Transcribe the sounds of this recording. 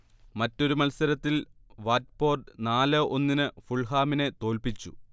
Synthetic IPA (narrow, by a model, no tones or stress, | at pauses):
mɐtːo̞ɾumɐlsɐɾɐt̪ːilʋaːt̚po̞ːrɖɨnaːlɐʔo̞nːinɨfuɭɦaːmine̞t̪o̞ːlpit͡ɕːṵ